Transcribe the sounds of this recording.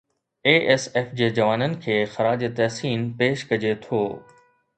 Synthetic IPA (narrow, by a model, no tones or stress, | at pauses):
eːʔeːseːfd͡ʑeːd͡ʑɐʋaːnənɪ̆kʰeːxɐɾaːd͡ʑet̪ɛɦsiːnpeːʃkɐd͡ʑet̪ʰoː